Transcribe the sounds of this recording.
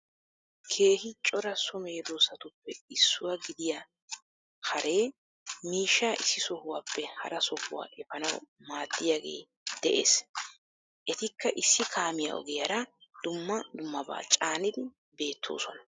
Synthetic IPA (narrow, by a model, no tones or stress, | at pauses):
kʰe̞ːhɪt͡ʃʼɔɾɐsɔme̞ːd̪oːsɐt̪ʊpːɛɪsːʊwɐɡɪd̪ɪja | hɐɾe̞ː | miːʃːaːʔɪsːɪsɔhʊwaːpːɛhɐ̰ɾɐsɔhʊwa̰ːʔɛfɐnɐw | maːd̪ːɪjaːɡe̞̰ː | d̪̥ɛʔe̞̰ːs | ʔɛt̪ɪkʰːɐʔɪsːɪkʰaːmɪja̰ʔɔ̰ɡɛjɐɾɐd̪̥ʊmːɐd̪ʊmːɐba̰ːt͡ʃʼaːnɪd̪ɪ | be̞ːt̪ʰːo̞̰ːsɔnɐ